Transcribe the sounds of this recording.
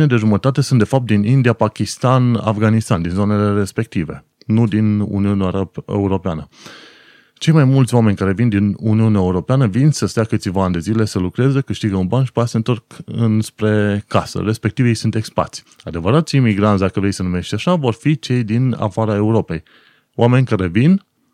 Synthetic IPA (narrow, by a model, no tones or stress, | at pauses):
ned̪e̞ʒumət̪at̪e̞sunt̪d̪e̞fap̚t̪̚d̪inind̪ijapakʲist̪ana̰fɡanist̪and̪inzo̞ne̞le̞ɾe̞spe̞k̚t̪ive̞̰ | nud̪inṵniuneuɾo̞peanə | t͡ʃe̞jmajmult̪sʲwame̞nʲkaɾe̞vind̪inuniuneaeuɾo̞peanəvinsəst̪ejakɨt̪sʲivaand̪e̞zile̞səlukɾezəkɨʃt̪iɡəunbanʃpat̪ase̞nt̪o̞rkɨnspɾe̞kasə̰ɾe̞spe̞k̚t̪ivjejsunt̪e̞kspa̰t̪sʲad̪e̞vəɾat̪sʲimiɡɾansʲd̪akəvɾe̞jsənume̞ʃt̪ʲaʃavo̞rfit͡ʃe̞jd̪ina̰faɾae̞uɾo̞pe̞j | oame̞nʲkaɾe̞vin